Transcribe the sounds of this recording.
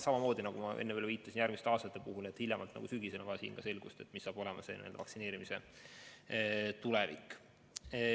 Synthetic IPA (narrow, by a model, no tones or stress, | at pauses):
sɑmɑmo̞ːd̪inɑɡumɑʔenːeeːlviːt̪ːˑɑsinjærɡmist̪eɑːst̪ɑt̪ːˑe̞puɦulet̪hilʲjɑmɑlt̪nɑ̰ɡ̥usyɡisenɑɡɑsḭːnkɑse̞lɡ̥ust̪e̞t̪ːˑmisːɑːbo̞lɛmɑse̞nḭld̪ɑ̰ɑ̰ksine̞ːɾimise̞ | t̪ulevḭkːˑ